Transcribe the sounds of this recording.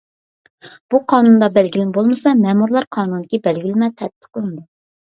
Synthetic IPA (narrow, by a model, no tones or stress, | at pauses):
b̥uqʰɑːnund̪ɑbɛlɡʲilɪnbolˠmɨsɑmɛmuɾlˠɑɾqʰɑːnund̪ɪkʲɛbɛlɡʲilɪmɛt̪ʰɛt̪̚b̪ə̥qəlˠɨnd̪u